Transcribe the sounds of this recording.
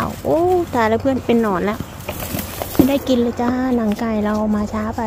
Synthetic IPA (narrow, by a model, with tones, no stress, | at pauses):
wʔoː˧t̪ʰaː˨˩lɛ˧˩pʰɯ˥˨ənpe˨nːɔː˧˩nlɛ˦˧˩w | ma˧˩da˥˩˨ki˨nlɯː˧˩t͡ɕa˧haː˧˥˨na˧˩ŋkaː˧˩jla˧wmaː˧t͡ɕʰaː˧˥pa˨˧